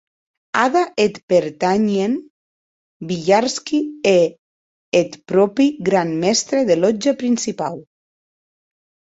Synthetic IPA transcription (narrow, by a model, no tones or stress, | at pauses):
aðaʔet̪peɾt̪aɲen | biʎaɾskie | et̪pɾɔpiɡɾammɛst̪ɾeðelɔd͡ʒapɾinsipa̰w